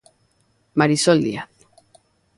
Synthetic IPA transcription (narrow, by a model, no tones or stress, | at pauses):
maɾisold̪ia̰θ